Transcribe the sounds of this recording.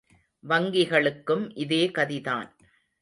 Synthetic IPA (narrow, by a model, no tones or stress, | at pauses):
ʋɐŋɡɪɣɐɭɯkːɯmʔɪðeːkɐðɪða̰ːn